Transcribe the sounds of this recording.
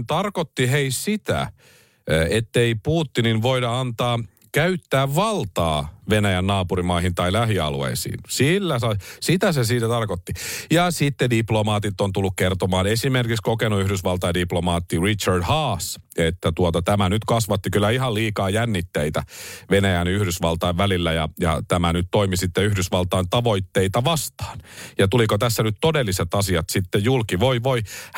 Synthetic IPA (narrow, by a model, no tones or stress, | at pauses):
t̪ɑrkot̪ːiɦeissit̪æ̰ | et̪ːeipuːt̪ːininʋoidɑɑnt̪ɑː | kæyt̪ːæːʋʋɑlt̪ɑ̰ːʋenæjænːɑːpuɾimɑihint̪ɑilæhiɑ̰luḛisḭːnsilːæsɑsit̪æsesiːt̪æt̪ɑrkot̪ːijɑsit̪ːediplomɑːt̪it̪ːont̪ulːukkert̪omɑːnesimerkikskokenuyhdysʋɑlt̪ɑɑdiplomɑːt̪ːirit͡ʃɑrdhɑːs | et̪ːæt̪uot̪ɑt̪æmænyt̪kɑsʋɑt̪ːikylːæihɑlliːkɑːjænːit̪ːeit̪æʋenæjænyhdysʋɑlt̪ɑiʋʋælilːæjɑjɑ̰t̪æmænyt̪t̪oimisit̪ːeyhdysʋɑlt̪ɑint̪ɑʋoit̪ːeit̪ɑʋɑst̪ɑ̥ːnjɑt̪ulikot̪æsːænyt̪t̪odelːiset̪ɑsiɑt̪sit̪ːejjulkiʋoiʋoi